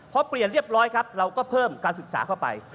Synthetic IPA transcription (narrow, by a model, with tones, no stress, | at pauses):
pʰɔ˦˥pli˨˩ənɾi˥˩əp̚ɾɔː˦˥jkʰa˦˥p̚ɾa˧wkɔː˥˩pʰɤː˥˩mkaː˧nsɯ˨˩k̚sa̰ː˩˦kʰa˥˩wpa̰˧j